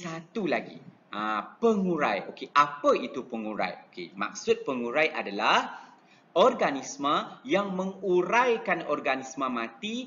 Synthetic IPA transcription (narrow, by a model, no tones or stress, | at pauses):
sat̪ulaɡḭ | apəŋuɾa̰jo̰keʔapəit̪upəŋuɾa̰jokḛma̰k̚sʊt̪̚pəŋũɾajʔadalah | ʔɔrɡanismə̃jaŋmə̃ŋuɾajkanɔrɡanismə̃mãt̪i